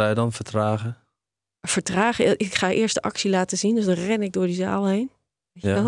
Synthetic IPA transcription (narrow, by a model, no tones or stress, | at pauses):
ajədɑnfəɹtraːχə | fəɹtraːχəʔɪkχaʔɪːəɹstdəʔɑksilaːtəzindøzdɔnrɛnɪɡ̚doːɹdiza̰ːlˠɦejn | ʋe